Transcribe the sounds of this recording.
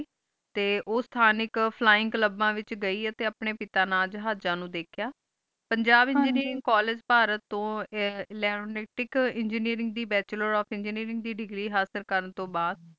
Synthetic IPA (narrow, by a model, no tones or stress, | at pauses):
t̪eːʔoːst̪ʰaːnɪkpʰlaːɪ̃ŋkləbːãːʋɪt͡ʃɡəiːət̪eːəpɳeːpɪt̪aːnaːld͡ʒɦaːd͡ʒãːnũːd̪eːkʰjaː | pəɲd͡ʒaːbɪ̃ɲd͡ʒniːɾɪŋɡkaːleːd͡ʒpaːɾət̪ːõːlɛːɾoːnɛːʈɪkɪɲd͡ʒəniːɾɪŋɡd̪iːbɛːt͡ʃləɾɔːfʰɪ̃ɲd͡ʒniːɾɪ̃ŋɡ̚d̪iːɖɪɡɾiːɦaːsəɾkəɾənt̪õːbaːd̪